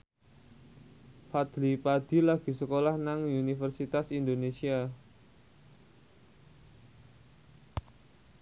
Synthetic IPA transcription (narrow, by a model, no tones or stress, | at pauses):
fad̪̥lipad̪̥i̤laɡ̥i̤səkolahnaŋunifərsit̪asind̪onesia